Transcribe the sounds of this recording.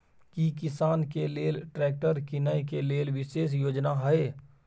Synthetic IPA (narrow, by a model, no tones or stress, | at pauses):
kikɪsaːnkeleːlʈɾɛːk̚ʈəɾkɪnajkeleːlʋɪʃeːs̬joːd͡ʒnaɦɛe